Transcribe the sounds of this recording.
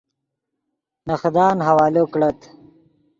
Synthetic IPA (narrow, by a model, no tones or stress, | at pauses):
nɐxd̪ɑːnɦɐwɑːloːkɽɐt̪